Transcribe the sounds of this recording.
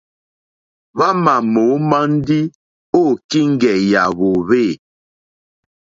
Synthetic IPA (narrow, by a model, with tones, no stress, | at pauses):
βa˦ma˨mo˨˦ma˦n̩˦di˦ | o˦˨ki˦ŋ̩˦ɡɛ˨ja̰˨βo˨βeː˦˨